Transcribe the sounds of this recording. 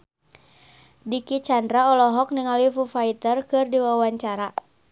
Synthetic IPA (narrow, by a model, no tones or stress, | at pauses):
dikit͡ʃandɾaɔlɔɦɔk̚niŋalifufait̪ərkɨrdiwawaɲt͡ʃaɾa